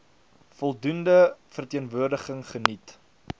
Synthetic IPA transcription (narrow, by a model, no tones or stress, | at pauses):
fɔlˠdundəfərtiənvuərdəχəŋχənit